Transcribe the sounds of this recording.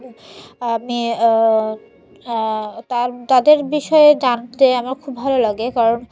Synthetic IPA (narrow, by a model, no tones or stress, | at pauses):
ami | t̪aɾt̪ad̪eɾbiʃɔed͡ʑand͡ʑeamaɾkʰubːʱalolaɡekaɾon